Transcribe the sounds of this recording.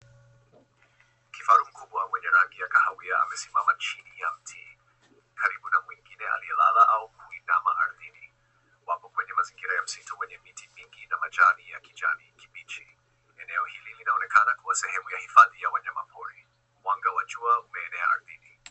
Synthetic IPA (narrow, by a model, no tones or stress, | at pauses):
kifaɾum̩kʰuɓwawɛɲɛɾaŋɡiakahawiaa̰mɛsima̰mat͡ʃinijam̩tʰi | kʰaɾiɓunamwiŋɡinɛa̰liɛla̰laʔaukʰuinamaʔaɾðini | wapɔkwɛɲɛmaziŋɡiɾajam̩sitɔwɛɲɛmitimiŋɡinamat͡ʃanija̰kid͡ʒa̰niki̥ɓit͡ʃi | ɛnɛɔhililinaɔnɛkanakuasɛhɛmujahifaðijawaɲamapʰɔɾi | mwaŋɡawat͡ʃuaumɛːnɛa̰a̰ɾðini